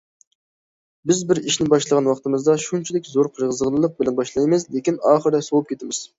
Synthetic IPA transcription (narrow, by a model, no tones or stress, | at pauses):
bɪzbɪɾiʃnɪbɑʃlˠəʁɑnwɑχt̪ɨmɨzd̪ɑʃunt͡ʃʰid̪ɪkʲzoɾqʰəɾʁəzəʁəlˠɨlˠəq̚bɪlɛnbɑʃlˠɑjmɨzlekʲinɑːχəɾd̪ɛsowup̚kʲʰet̪ɪmɪz̥